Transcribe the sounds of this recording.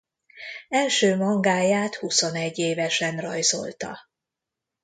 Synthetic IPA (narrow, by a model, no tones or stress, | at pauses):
ɛlʃøːmɒŋɡaːjaːt̪huso̞nɛɟːeːvɛʃɛnrɒjzo̞̰lt̪ɒ̰